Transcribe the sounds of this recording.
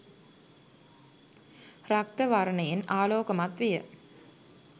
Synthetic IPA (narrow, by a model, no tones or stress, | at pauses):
rak̚t̪əʋaɾənəjenaːloːkəmat̪ʋijə̰